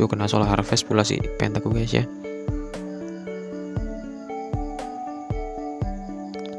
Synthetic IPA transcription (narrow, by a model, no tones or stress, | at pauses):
okənasolaɦaɾfɛspulasḭpɛ̰nt̪akuɡasa̰